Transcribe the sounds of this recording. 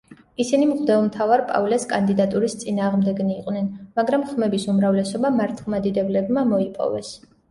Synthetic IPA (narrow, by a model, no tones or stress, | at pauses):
isinimʁd̪ɛlˠmt̪ʰavaɾpʼa̰vlɛaskʼand̪id̪at̪ʼuɾist̪sʼinaːʁmd̪ɛɡniːqʼnɛnmaɡɾamχmɛbisumɾavlɛsɔbamaɾt̪ʰlˠmad̪id̪ɛblɛbmamɔipʼɔ̰vɛs